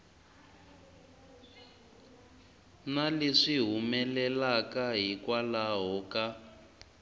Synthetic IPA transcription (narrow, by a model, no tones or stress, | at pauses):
naleʂiɦumɛlɛlakaɦikwalaɦɔka